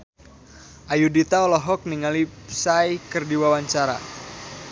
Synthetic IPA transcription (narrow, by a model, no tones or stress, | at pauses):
ʔajudit̪aɔlɔɦɔk̚niŋalisajkərdiwawaɲt͡ʃaɾa̰